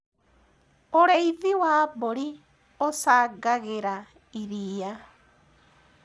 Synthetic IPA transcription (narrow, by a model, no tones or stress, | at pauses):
oɾeiðiwaːboɾi | osaːɡaɣeɾa | iɾija